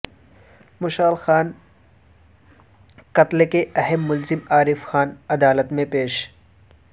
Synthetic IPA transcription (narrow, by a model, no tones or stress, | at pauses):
mʊʃaːlxaːn | kɐt̪lekeɛɦəmːʊlzɪmaːɾɪfxaːnɐd̪aːlət̪mẽpeːʃ